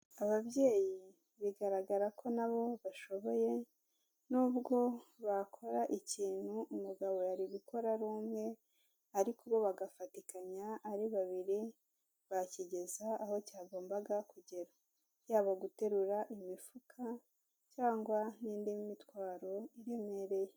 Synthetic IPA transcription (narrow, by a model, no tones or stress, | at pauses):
aβaβɟe̞ːji | βiɡaɾaɡaɾakʰo̞naβo̞βaʃo̞βo̞je̞ | nuːbɡo̞βakʰo̞ɾaʔiciːn̥huʔumuɡaβo̞jaɾiβiko̞ɾaɾuːmŋe̞ | aɾikuβo̞βaɡafatikaɲaːɾiβaβiɾi | βaciɟe̞zaːho̞caːɡo̞ːmbaɡakuɟe̞ɾa | jaːβaɡute̞ɾuɾaʔimifukʰa | caːŋɡwaniːndimimitwaːɾo̞iɾemŋe̞ːɾe̞je